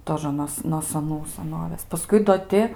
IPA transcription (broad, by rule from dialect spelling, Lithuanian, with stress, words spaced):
ˈtoːʒə noːs noː sɐˈnuː sɐˈnoːʋʲeːs pɐˈskʊɪ doː ˈtʲɪ